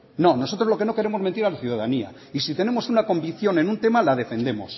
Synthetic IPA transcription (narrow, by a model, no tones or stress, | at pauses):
no̞no̞so̞t̪ɾozlo̞keno̞ke̞ɾe̞mo̞zment̪iɾalaθjuðaðania̰ | isit̪e̞ne̞mo̞sunako̞mbiθjo̞ne̞nũnt̪e̞malað̞e̞fẽ̞nd̪e̞mo̞s